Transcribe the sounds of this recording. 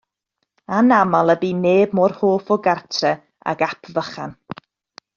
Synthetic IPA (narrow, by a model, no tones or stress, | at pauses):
anamalˠəbiːneːb̚mɔːrhoːfɔɡartʰrɛ | a̰ɡapʰvəχan